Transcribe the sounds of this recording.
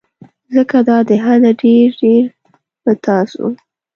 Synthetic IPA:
zəkad̪ɑd̪əɦad̪aɖeɾɖeɾ | bət̪ɑsṵ

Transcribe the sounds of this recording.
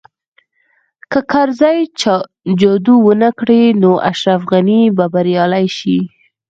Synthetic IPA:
kəkʰaɾzɑj | d͡ʒɑd̪uwənakɽenoʔa̰ʃɾafɣanibabaɾjɑlajʃi

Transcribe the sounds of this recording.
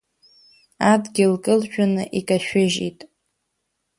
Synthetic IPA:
adɡʲɪlkʼɨlʃᶣanɨʔikʼaʃᶣɪʒḭtʼ

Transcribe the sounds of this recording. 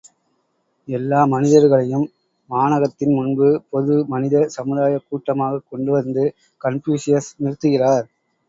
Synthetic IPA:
ɛlːaːmɐnɪðɐɾɣɐɭɐjɯmː | aːnɐɣɐt̪ːɪnmʊnbɯpɔðɯmɐnɪðɐsɐmɯðaːjɐkːuːʈːɐmaːɣɐkːɔɳɖɯʋɐnd̪ɯ | kɐɳfjuːsɪjɐsnɪrɯt̪ːɯɣɪraːɾ

